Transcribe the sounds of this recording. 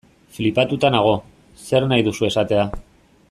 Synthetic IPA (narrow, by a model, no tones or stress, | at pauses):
flipat̪ut̪anaɣ̞o̞ | se̞ɾnajðusue̞sat̪e̞a